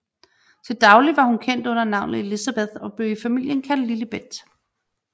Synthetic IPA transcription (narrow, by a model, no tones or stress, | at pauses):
t͡sʰe̝ld̥ɑ̈ʊliʋɑ̈hunkʰen̰d̥ɔ̽n̰ɐnɑ̈ʊnð̩ˠelisæb̥eðˠɒ̽b̥le̝ʊifæmil̰jənkʰæl̰dlilib̥ed̥